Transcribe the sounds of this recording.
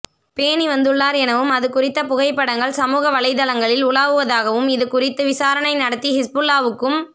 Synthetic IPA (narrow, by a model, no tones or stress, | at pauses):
peːniʋɐnd̪ɯɭːaːɾɛnɐʋɯmɐðɯkʊrɪt̪ːɐpʊɣɐɪpːɐɽɐŋɡɐɭsɐmuːɣɐʋɐlɐɪðɐlɐŋɡɐɭɪlʊɭaːʋɯʋɐðaːɣɐʋɯmɪðɯkʊrɪt̪ːɯʋɪsaːɾɐɳɐɪnɐɽɐt̪ːihɪsbɯlːaːʋɯkːɯm